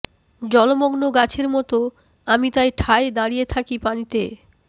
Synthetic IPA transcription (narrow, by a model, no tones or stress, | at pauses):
d͡ʑɔlomoɡnoɡat͡ɕʰeɾmɔt̪o | amit̪ajʈʰaed̪aɽijet̪ʰakipanit̪e